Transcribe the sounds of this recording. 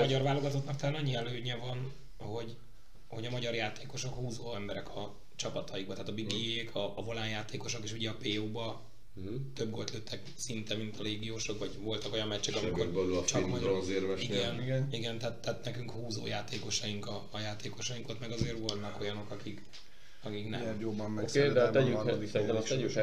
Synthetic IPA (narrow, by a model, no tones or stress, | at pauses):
mɒɟɒrvaːlːo̞ɡɒt̪ot̪nɒkt̪ɛlaːnɒɲːiɛløːɲɛvɒn | ho̞ɟ | ho̞ɟɒmɒɟɒrjaːt̪ʰeːko̞ʃo̞khuːzoːɛmbɛɾɛkʰɒ | t͡ʃɒpɒt̪ʰɒjiɡ̚bɒt̪ɛaːt̪ɒbiɡieːkʰɒːvo̞laːnjaːt̪eːko̞ʃo̞keːʃuɟɛɒpeːoːbɒ | t̪ø̞bɡo̞lt̪løːt̪ʰːɛk | sint̪ɛmint̪ɒleːɡijoːʃo̞kʋɒɟvo̞lt̪ɒko̞jɒmmɛct͡ʃːɛkɒmikobɛlt͡ʃɒkmɒɟzeːɾmɛʃiɡɛniɡɛniɡɛnt̪ɛːt̪ːaːt̪nɛkyŋkhuːzo̰ːjaːt̪eːko̞ʃɒjiŋkɒːjaːt̪eːko̞ʃɒjiŋkot̪mɛɡɒzeːrvo̞lt̪ɒko̞jɒno̞kɒkik | ɒkiknɛ̰meɾobːɒmːɛksd̪ɛaɛyod̪iɛɛy